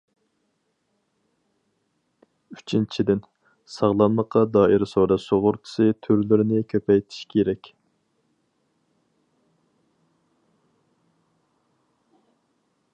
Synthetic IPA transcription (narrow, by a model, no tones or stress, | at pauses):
yt͡ʃʰint͡ʃʰid̪ɪn | sɑʁlˠɑnlˠəqːɑd̪ɑːʔiɾsoɾɑsoʁʊɾt̪ʰɪ̥sɨt̪ʰøɾlɪɾɪnɪkʲʰøpɛjt̪ʰi̥ʃkʲʰeɾɛkʲ